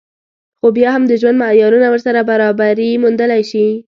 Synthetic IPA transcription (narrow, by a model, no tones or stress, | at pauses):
xobjɑɦamd̪əʒwand̪majɑɾunawəɾsaɾabaɾɑbaɾimund̪əlajʃi